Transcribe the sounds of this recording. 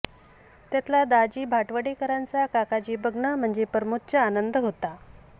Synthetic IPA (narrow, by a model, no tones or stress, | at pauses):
t̪jat̪ʰlad̪ad͡ʑiːbʱaʈʋəɽekəɾant͡sakakad͡ʑiːbəɡɳəm̤əɳd͡ʑepəɾmut̪̚t͡ɕəanənd̪əɦot̪a